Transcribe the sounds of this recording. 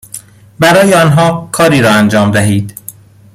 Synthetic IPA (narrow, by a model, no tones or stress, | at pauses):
bæɾɒːjeɒːnɦɒːkʰɒːɾiːɾɒːænd͡ʒɒːmd̪æɦiːd̪̥